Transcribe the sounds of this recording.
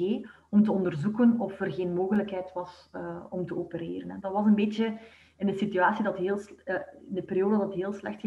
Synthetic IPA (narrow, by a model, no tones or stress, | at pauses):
eː | ɔmtəɔndərzukənɔfərɣeːnmoːɣələkɦɛjtʋɑsəɔmtəopəɾeːɾənɦɛdɑtʋɑsənbeːtjə | ɪnəsityaːsidɑtɦeːlˠsɪndəpeɾijoːdədɑtɦeːlˠslɛ̰xtxə